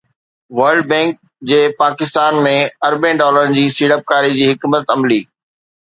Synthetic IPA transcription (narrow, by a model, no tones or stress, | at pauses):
ʋɐɾlɖ̚bɛ̃ːŋk̚ | d͡ʑeːpaːkɪst̪aːnmẽɐɾbẽɖɔːləɾnɪ̆d͡ʑiːsiːɽəp̚kaːɾid͡ʑiːɦɪkmət̪ɐmliː